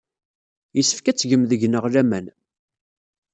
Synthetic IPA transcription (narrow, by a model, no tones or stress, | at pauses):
jəsːə̥fkæt͡sːʝəmðəʝnəʁlæmæn